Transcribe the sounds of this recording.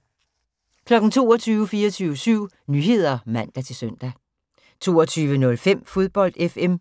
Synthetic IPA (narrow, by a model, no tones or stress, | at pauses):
kʰlɒ̽ɡ̥n̩t͡sʰo̝ːɒt͡sʰyːʊəfiːɐɒt͡sʰyːʊəsyʊ̰ | nyːɦe̝ð̞̰ˠɐmæn̰d̥æt͡sʰe̝lsøn̰d̥æ | t͡sʰo̝ːɒt͡sʰyːʋənɔ̽lfem̰fo̝ð̞ˠb̥ɒ̽l̰d̥efem